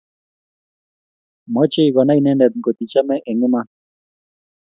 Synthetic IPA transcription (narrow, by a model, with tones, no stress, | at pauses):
mɔ˦t͡ʃe˦i˨ɣɔ˨na˦i˨nɛ˦nɛ˨t̪̚ɡo˨t̪i˨t͡ʃa˦mɛ˦ʔɛ˨ŋɪ˦ma˦